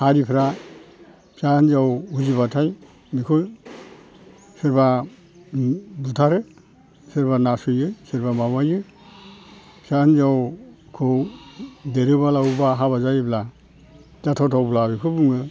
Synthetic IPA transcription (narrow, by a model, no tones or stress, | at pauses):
haɾipʰɾa | pʰianzawuziβatʰaj | mikʰɯ | sɯɾba | butʰaɾɯ | sɯɾbanasujɯjseɾbamamajɯ | pʰiahnzawkʰɯwdeɾɯbalawbaɦaβazajbla | zatʰatʰawblaɾɯkʰɯbuŋɯ